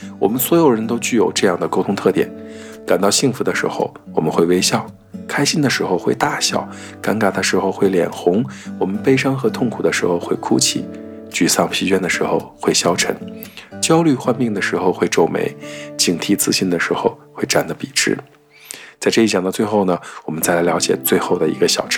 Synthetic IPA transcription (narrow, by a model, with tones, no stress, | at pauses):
wɔ̰˨˩mə˦nswɔ˧˥jo˨˩ʊɻə˧˥nt̪o˥ʊt͡ɕy˥˩jo˨˩ʊʈ͡ʂɤ˥˧jɑ˥˩ŋd̪ə˩ko˥ʊt̪ʰʊ˥ŋt̪ʰɤ˥˩t̪jɛ̰˨˩˦nka˨˩nt̪ɑ˥˧ʊɕi˥˩ŋfu˧˥d̪ə˧ʂɻ̩˧˥xo̰˥˧ʊ | wɔ˨˩mə˦nxwe˥˩ɪwe˥ɪɕjɑ˥˩ʊ | kʰa˥ɪɕi˥nd̪ə˨ʂɻ̩˧˥xo˧ʊxwe˥˧ɪt̪a˥˧ɕjɑ˥˩ʊ | ka˧˥nka˨˩d̪a˧ʂɻ̩˧˥xo˧ʊxwe˥˩ɪljɛ̰˨˩nxʊ˧˥ŋwɔ˨˩mə˦npe˥ɪʂɑ˥ŋxɤ˧˥t̪ʰʊ˥˩ŋkʰu˨˩d̪ə˦ʂɻ̩˧˥xo˥˧ʊxwe˥˩ɪkʰṵ˥t͡ɕʰḭ˨˩ | t͡ɕy˨˩sɑ˥˩ŋpʰi˧˥t͡ɕɥɛ˥nd̪ə˨ʂɻ̩˧˥xo˧ʊxwe˥˩ɪɕjɑ˥ʊʈ͡ʂʰə̰˧˥ŋt͡ɕjɑ˥ʊly˥˧xwa˥nmi˥˩ŋd̪ə˩ʂɻ̩˧˥xo˧ʊxwe˥˧ɪʈ͡ʂo˥˩ʊmḛ˧˥ɪt͡ɕi˨˩ŋt̪ʰi˥t͡sɹ̩˥˧ɕi˥˩nd̪ə˩ʂɻ̩˧˥xo˧ʊxwe˥˧ɪʈ͡ʂa˥˩nd̪ə˩pi˨˩ʈ͡ʂɻ̩̰˥ | t͡sa˥˧ʈ͡ʂɤ˥˧i˩t͡ɕjɑ˨˩ŋt̪t͡swe˥˧xo˥˩ʊnə˩wɔ˨˩mə˦nt͡sa˥˩ɪla˧˥ɪljɑ˧˥t͡ɕjɛ̰˨˩t͡swe˥˧ɪxo˥˩ʊd̪ə˩ḭ˧˥ɡə˧ɕjɑ˨˩ʊʈ͡ʂʰ